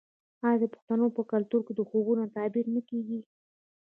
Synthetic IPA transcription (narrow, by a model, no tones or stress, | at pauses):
ɑjɑd̪əpʊ̥xt̪anopəkalt̪uɾked̪əxobunat̪ɑbiɾnakeɡi